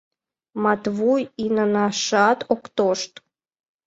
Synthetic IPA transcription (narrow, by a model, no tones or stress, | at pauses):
mɑt̪vujinənɑʃɑt̪okt̪oʃt̪